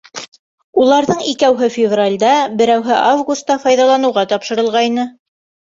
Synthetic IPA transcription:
ulˠɑɾðɤɴikæwɦɘfʲɪvralʲd̪ɑbɘ̆ɾæwɦɘʔavɡust̪ːɑfɑjðɑlˠɑnɤ̆wʁɑt̪ɑpʃɤ̆ɾɤ̆lˠʁɑjnɤ

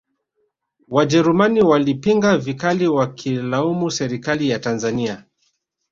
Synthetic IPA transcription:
wad͡ʒɛɾumaniwalipiŋɡavikaliwakʰilaumusɛɾikalijatanzania

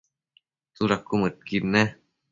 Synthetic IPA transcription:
suɾakːumɨt̪̚kinːe

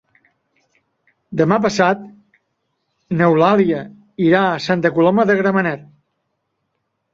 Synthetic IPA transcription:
d̪əmap̬əsat̪̚ | nəwlaliə | iɾaəsant̪əkulɔməðəɣɾəmənɛt̪̚

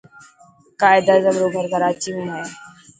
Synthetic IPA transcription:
kaːɪd̪aːzəmɾoːɡʱəɾɡʱəɾaːt͡ʃiːmũːɦɛː

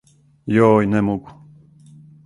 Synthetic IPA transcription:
joːjnɛmɔɡu

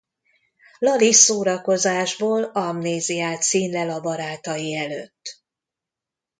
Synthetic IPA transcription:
lɒlisoːɾɒko̞zaːʒboːlɒmneːzijaːt̪siːnlɛlɒbɒɾaːt̪ɒjiɛløːt̪ː

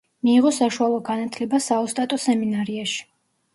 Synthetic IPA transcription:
miːʁɔsaʃualˠɔɡanat̪ʰlɛbasaɔst̪ʼat̪ʼɔsɛminaɾiaʃi̥

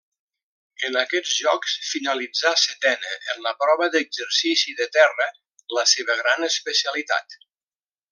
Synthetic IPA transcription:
ənəkɛd͡zʒɔksfinəlid͡zasət̪ɛnə̰ʔənləpɾɔβəðəɡzəɾsisiðət̪ɛrə | ləseβəɣɾanəspəsiəlit̪a̰t̪

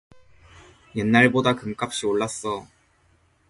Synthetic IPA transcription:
jenːaɭbodakɯmk͈ap̚ɕ͈ioɭːas͈ʌ

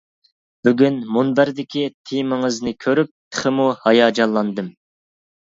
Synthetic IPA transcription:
b̥yɡʲynmunbæɾd̪ɪkʲʰit̪ʰimɪŋɨznɨkʲʰøɾyp̚t̪ʰə̥χɪmuhɑjɑːd͡ʒɑllˠɑnd̪ɨm

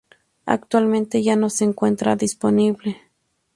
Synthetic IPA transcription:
a̰k̚t̪walment̪ejanoseːŋkʷent̪ɾa̰d̪isponiβle

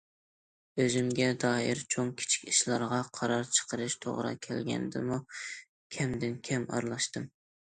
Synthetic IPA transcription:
øzymɡʲɛd̪ɑːɪɾt͡ʃʰoŋkʲʰi̥t͡ʃʰi̥kʲiʃlˠɑɾʁɑqʰɑɾɑɾt͡ʃʰə̥qʰəɾɨʃt̪ʰo̰ʁɾɑ̰kʲʰɛlɡʲɛ̰nd̪ɪmu | kʲʰɛmd̪ɪnkʲʰɛmɑ̰ɾlˠɑʃt̪ɨm

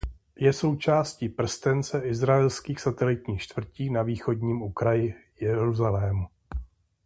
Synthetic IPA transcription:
jɛso̞wt͡ʃaːsciːpr̩st̪ɛnt͡sɛʔɪzɾaɛlskiːxsat̪ɛlɪt̪ɲiːxt͡ʃt̪v̥r̩ciːnaviːxo̞dɲiːmukɾajɪjɛɾuzalɛːmu

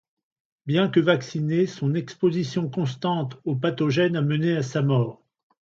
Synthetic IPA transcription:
bjɛ̃kəvaksinesɔ̃nɛkspozisjɔ̃kɔ̃st̪ɑ̃t̪opat̪ɔʒɛnaməneasamɔːʁ

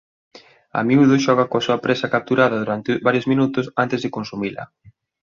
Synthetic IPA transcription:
ɐ̰miuðoʃɔɣ̞ɐkoasuɐpɾesɐkap̚t̪uɾaðɐðuɾant̪ɪβaɾjozminut̪ʊsant̪ezðekonsumilɐ̰

